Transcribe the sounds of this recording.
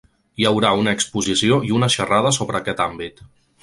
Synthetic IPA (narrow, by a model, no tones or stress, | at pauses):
jəwɾaunəːkspuzisioiunəʃərað̞əsoβɾəːkɛt̪ambit̪